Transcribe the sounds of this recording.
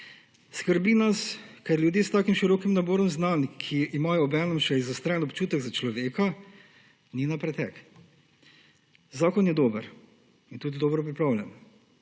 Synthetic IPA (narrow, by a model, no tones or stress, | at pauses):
skəɾbinaskɛɾljud̪jeːst̪aːkimʃiɾɔːkimnabɔːɾɔmznankʰiimajɔːbɛːnɛmʃɛizɔst̪ɾɛːɛnɔpt͡ʃuːt̪ɛɡzat͡ʃlɔʋeːka | ninapɾɛt̪ɛk | zaːkɔnjɛd̪oːbəɾ | int̪uːd̪id̪oːbɾɔpɾipɾaːwlʲjʲan